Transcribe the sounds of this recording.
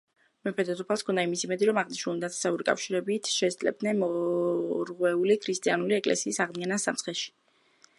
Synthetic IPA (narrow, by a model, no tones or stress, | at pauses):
mɛpʰɛd̪ɔsupʰalˠskʰɔnd̪aimisimɛd̪iɾɔmaʁniʃnulˠd̪at̪ʰɛ̥sauɾikʼa̰fʃiɾɛbit̪ʰʃɛsd̪ʼlɛ̰b̚d̪nɛnmɔ | ɾʁwɛulikʰɾist̪ʼianuliɛkʼlɛ̰siːsaʁd̪ianasa̰msχɛʃi̥